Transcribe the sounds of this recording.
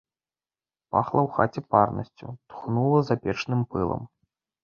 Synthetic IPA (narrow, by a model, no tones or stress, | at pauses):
pa̰xlˠɐwxat͡sʲɛparnɐ̰sʲt͡sʲṵt̪xnulˠɐzapʲɛt͡ʂnɨmpɨlˠɐ̰m